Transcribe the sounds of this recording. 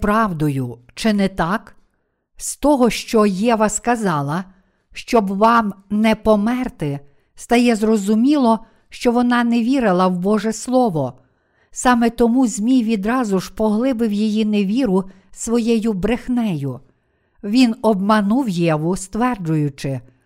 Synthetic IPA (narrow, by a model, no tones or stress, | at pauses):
pɾɑwd̪ɔjʊ | t͡ʃɪnɛt̪ɑk | st̪ɔɦɔʃt͡ʃɔjɛʋɐskɐzɑlˠɐ | ʃt͡ʃɔbʋɑmnɛpɔmɛrt̪ɪ | st̪ɐjɛzrɔzʊmʲilˠɔ | ʃt͡ʃɔʋɔnɑnɛʋʲiɾɪlˠɐwbɔʒɛslˠɔʋɔ | sɑmɛt̪ɔmuzʲmʲijʋʲid̪ɾɑzʊʒpɔɦlˠɪbɪwjijineʋʲiɾʊ | sʋɔjɛjʊbɾexnɛjʊ | ʋʲinɔbmɐnuwjɛʋʊst̪ʋɛrd͡ʒʊjʊt͡ʃɪ